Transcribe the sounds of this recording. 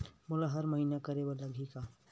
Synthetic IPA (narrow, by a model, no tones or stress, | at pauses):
mʊlaɦɐɾməɦiːnakəɾewalɐɡʱika